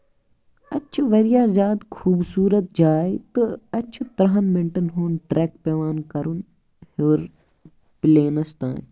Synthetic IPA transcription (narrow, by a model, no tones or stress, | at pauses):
ɐt͡ʃʰuʋɐɾijaːzʲaːd̪kʰuːbsuːɾɐt̪̚d͡ʒaːjt̪ɨɐt͡ʃʰut̪ɾɐɦɐnmɪɳʈɐnɦuːnʈɾeːkpeʋaːnkɐɾun | hoːɾ | pɪleːnɐst̪ã̰ːn